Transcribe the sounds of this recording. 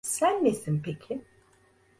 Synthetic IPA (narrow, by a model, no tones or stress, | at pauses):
sænːesinpʰecʰi